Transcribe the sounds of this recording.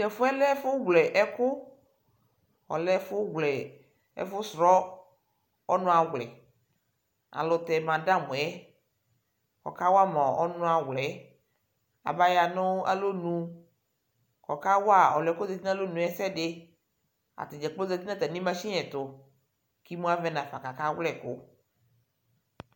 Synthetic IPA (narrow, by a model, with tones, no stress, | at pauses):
ɛ˨fʊ˦ɛ˦lɛ˦fʊ˦ɡʷlɛ˨ʔɛ˦kʊ˦ | ɔ̰˨lɛ˦fʊ˦ɡlɛ˨ | ɛ̰˦fʊ˦sɾɔ˦ | ɔ˦nʊ̃˦a˨wlɛ̰˨ | a̰˨lʊ˨t̪ɛ˨mã˨da˦mũ˨ɛ˦ | kɔ̰˨ka˦wa˦mɔ̃˨ɔ˦nʊ̃˦a˨wlɛ˨˦ | a̰˨ba˦ja˨nʊ˦a̰˦lo˦nũ˨ | kɔ˨ka˦wa˦˨ɔ˨lɛ˨˦ko˦zɛ˨t̪i˦nã˦lo˦nũ˨ɛ˦sɛ˦dɪ˦ | a̰˨t̪ɪ˨d͡ʒɛ˨k͡plo˦zɛ˨t̪i˦nã˦t̪a˨nĩ˦mã˦ʃi˦ɛ̃˨t̪ʊ˨ | ki˦mũ˦a˦vɛ˦nã˨fa˨ka˨ka˦wlɛ˦˨kʊ˦